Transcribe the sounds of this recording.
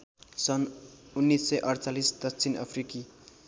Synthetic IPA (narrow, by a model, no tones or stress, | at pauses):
sʌnunːisːʌjʔʌɾt͡salisd̪ʌt͡sʰinʌ̰pʰriki